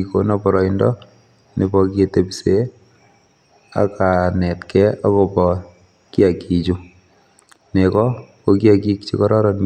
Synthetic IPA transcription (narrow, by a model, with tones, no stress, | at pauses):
iko˦nɔ˦pɔɾɔ˨indɔ˦ | nʔḛ˨pɔkie˨te˨pise˦ | a̰˦ka˨nɛ˨tkɛ˦a˦kopɔ˨ | ki˦a˨ki˨t͡ʃu˦ | nekɔ˦koki˦a˨ki˦k̚t͡ʃḭ˦kɔɾɔ˦ɾɔn